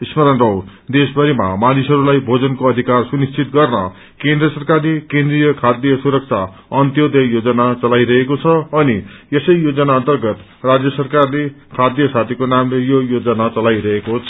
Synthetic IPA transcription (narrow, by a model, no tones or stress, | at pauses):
ismʌɾʌnrʌw | d̪esbʱʌɾima̰manisɦʌɾulajbʱod͡zʌnkoʌd̪ʱikarsunist͡sʰit̪ɡʌrnʌ̰ | kẽnd̪rʌsʌrkarlekẽnd̪rijʌkʰad̪jʌsuɾʌk̚t͡sʰa | ʌnt̪jod̪ʌjod͡zʌnat͡sʌlajɾʌɦekot͡sʰʌːnijʌsʌjjod͡zʌnaʌnt̪ʌrɡʌt̪ | rad͡zjʌsʌrkarle | kʰad̪jʌsat̪ʰikonamlejojod͡zʌnat͡sʌlajɾʌɦekot͡sʰ